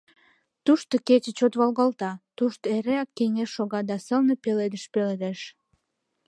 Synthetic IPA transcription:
t̪uʃt̪oket͡ɕət͡ɕot̪βɑlɣɑlt̪ɑt̪uʃt̪eɾeɑkːeŋesʃoɣɑd̪ɑsəlnepeled̪əʃpeled̪eʃ

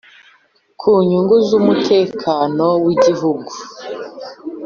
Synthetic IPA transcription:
kʰuːɲuŋɡuzumutʰe̞ːkʰanowiɟiɦuɡu

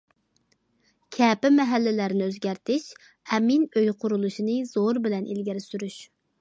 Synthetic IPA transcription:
kʲʰɛːpɪmɛɦælːɪlæɾnɪøzɡʲæɾt̪ʰɪʃ | ɛminøjqʰʊɾulˠuʃinɨz̥oɾbɪlɛnʔḭlɡʲiɾɪsyɾyʃ

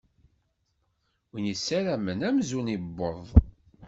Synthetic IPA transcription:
winisːæɾæmənæmzunibːoðˤ

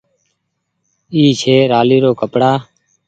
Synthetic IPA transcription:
iːt͡ʃʰeːɾaːliːɾoːkəpɽaː

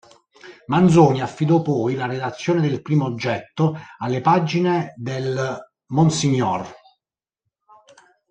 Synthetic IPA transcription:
mand̪zɔːniafːid̪ɔpɔjlared̪at̪sːjoːned̪elpɾiːmoːd͡ʒːɛt̪ːoalːepaːd͡ʒined̪el | monsiɲːɔr

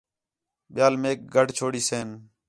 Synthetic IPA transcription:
ɓɪjaːlmeːk̚ɡʱəɖt͡ʃʰoːɽiːseːn

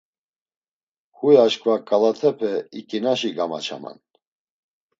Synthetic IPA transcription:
hujaʃkʰʼvakʼalat̪ʰɛpʰɛikʼinaʃiɡama̰t͡ʃʰa̰ma̰n

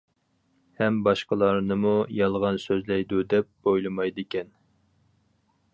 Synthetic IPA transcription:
hɛmbɑʃqəlˠɑɾnɨmujɑlˠʁɑnsøzlɛjd̪ud̪ɛp̚bojlˠɨmɑjd̪ɪkʲʰɛn

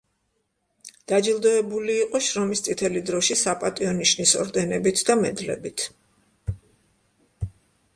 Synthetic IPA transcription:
d̪̥ad͡ʒilˠd̪ɔɛbuliːqʼɔʃɾɔmist̪sʼit̪ʰɛlid̪ɾɔʃisapʼat̪ʼiɔniʃnisɔ̰ɾd̪ɛnɛbit̪ʰd̪amɛd̪lɛ̰bit̪ʰ

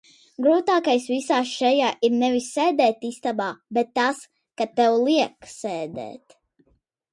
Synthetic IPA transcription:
ɡɾuːt̪aːkajsvisaːʃɛjaːʔiɾnɛvisːɛːd̪ɛːt̪ist̪abaːbɛt̪ːas | kat̪ɛwlˠiɛksɛːd̪ɛ̰ːt̪

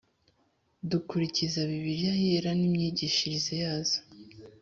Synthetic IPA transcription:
dukuɾicizaβiβiɾjajeɾanimɲiɟiʃiɾizejaːz̥o̥

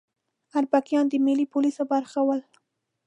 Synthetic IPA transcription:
aɾbakjɑnd̪əmilipolisobaɾxawəl

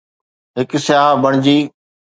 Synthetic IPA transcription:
ɦɪksɪjaːbɐɽ̃d͡ʑiː

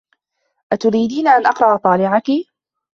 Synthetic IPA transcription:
ʔat̪ʊɾiːd̪iːnaʔanʔɑqɾˤɑʔɑt̪ˤɑːlɪʕaki

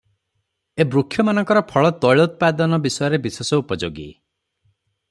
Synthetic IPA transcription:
ebɾukʰːjɔmanɔ̃ŋkɔɾɔpʰɔɭɔt̪ɔjɭɔut̪̚pad̪ɔnɔbisɔjɔɾebisesɔupɔd͡ʒo̰ɡḭ

